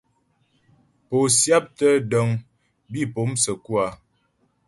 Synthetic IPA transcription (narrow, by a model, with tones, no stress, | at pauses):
po˨sja˦p̚tə˦dɔ˦ŋ | bi˦˨po˨˦msə˨ku˦a˨